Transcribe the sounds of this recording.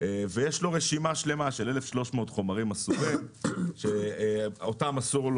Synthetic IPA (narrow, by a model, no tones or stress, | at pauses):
evejeʃlo̞ʁeʃimaʃle̞maʃelele̞fʃlo̞ʃmootχo̞maʁimasuʁimʃeotamasuʁl